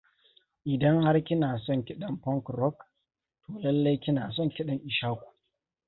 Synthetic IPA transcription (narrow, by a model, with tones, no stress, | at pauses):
ʔɪ˨dɐ˦ŋha˦rkʲɪ˦naː˨sɔ˦ŋkʲɪ˦ɗɐ˦˨mpɔ˦ŋkɾɔ˦k | tʰoː˨lɐ˦lːe˦jkʲɪ˦naː˨s̬ɔ˦˨ŋkʲɪ˦ɗɐ˨ŋʔɪ˨ʃaː˦kʷu̥˨